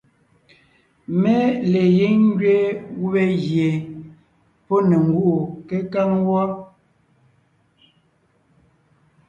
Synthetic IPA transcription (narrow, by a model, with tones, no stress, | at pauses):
me˦le˨je˦ŋ˦ɡɥe˦ɣu˦βe˦ɣje˨ | po˦ne˨ŋ˨ɡu˦˨ʔu˨ke˦ka˦ŋwɔ˦